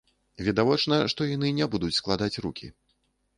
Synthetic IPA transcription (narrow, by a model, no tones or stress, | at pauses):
vʲɛd̪avɔt͡ʂnɐʂt̪ɔjanɨnʲɛbud̪ut͡sʲsklˠad̪at͡sʲrukʲʰḭ